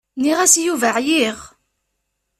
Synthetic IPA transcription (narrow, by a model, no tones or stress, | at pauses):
niʁæsjuvəʕjiʁ